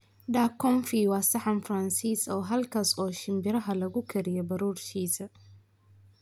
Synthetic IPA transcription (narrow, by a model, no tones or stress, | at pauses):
ɖaːkʰɔnfiwɑːsɐħɑnfɾɐnsiːsɔːɦɐlkʰaːsɔːʃɪmbɪɾɐɦɐlɐɣʊkʰɛɾɪjɐbɐɾuːrʃiːsɐ